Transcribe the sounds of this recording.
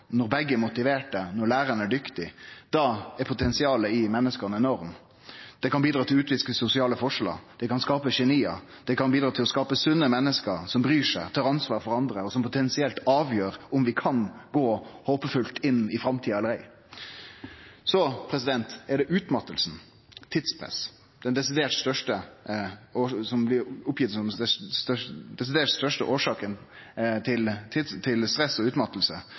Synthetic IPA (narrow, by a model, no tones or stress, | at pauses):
nɔɾbɛɡːəmʊt̪ɪʋeːʈ̚dɛnɔlæːɾənæɖʏkt̪ɪd̪̥ɑɛpʰʊt̪ʰɛnsɪɑːləɪmɛnːəskənəɛnɔʁm | d̪̥ɛkɑnbiːd̪ɾɑːt̪ʰɪlʉːt̪ʋɪskəsʊsɪɑːləfɔʂlɑ̰d̪̥ɛkɑnskɑːpəçɛniːɑ̰ | d̪̥ɛkɑnbiːd̪ɾɑːt̪ʰɪlɔskɑːpəsʉnːəmɛnːəskəɾsɔmbɾyːʂæt̪ʰɑːʁɑnsʋɑːʁfɔʁɑnd̪ɾəɔsɔmpʊt̪ʰɛnsɪɛlt̪ɑːʋjøːɾʊmʋɪkʰɑnɡoːhoːpəfʉlt̪ɪnːɪfɾɑmt̪ʰiːɑɑləɾæɪ | sɔpʰɾɛsɪd̪ɛnt̪ɛɖɛʔʉːt̪mɑt̪ːəlsn̩ | t̪ʰɪd̪spʰɾɛ̰s | d̪̥ɛnd̪ɛsɪd̪eːʈst̪œʂʈə | oːsɔmblɪʊpːjɪt̪sɔmd̪ɛst̪œd̪ɛsɪd̪eːʈst̪œʂʈə̰ʔoːʂɑːkən | t̪ʰɪlt̪ʰɪt̪ʰɪlst̪ɾɛsːɔʉːt̪mɑt̪ːəlsə